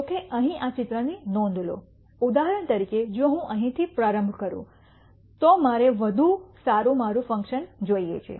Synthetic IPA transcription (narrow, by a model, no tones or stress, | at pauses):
okeʔəɦĩʔat͡ʃɪt̪ɾənenɔ̃n̆d̪ʱlo̰ | ud̪aɦəɾəɳ̃t̪əɾiked͡ʒoɦũʔəɦĩt̪ʰipɾaɾə̃mbʱkəɾṵ̃ | t̪omaɾeʋəd̪ʱusaɾũmaɾũfə̃ŋkʃənd͡ʒoiḛt͡ʃʰiḛ